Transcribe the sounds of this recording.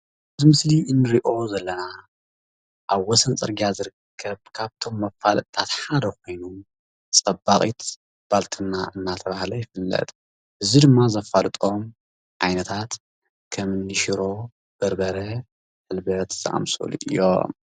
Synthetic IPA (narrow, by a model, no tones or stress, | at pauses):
ɨzimɨsliʔɨnːɨɾiʔo̞zɐlːɐna | ʔaβwɔsɐnt͡sʼɐɾɡiazɨɾɨkʰːɐβkʰaβt̪ʰo̞mːɐfalt̪ʰːat̪ħad̪ɐko̞jnu | t͡sʼɐbːaχʼit̪ | b̥alt̪ʰɨnːaʔɨnːat̪ʰɐβahlɐjɪfɨlːɐ̰t̪ʼ | ʔɨzid̪ɨmːazɐfalɨt̪ʼo̞m | ʕajnɐt̪ʰat̪ | kʰɐmɨnːɨʃiɾo̞ | b̥ɐɾbɐɾɐ | ħɨlbɐt̪z̥ɐ̰ʔa̰msʼo̰lṵʔɨ̰jo̰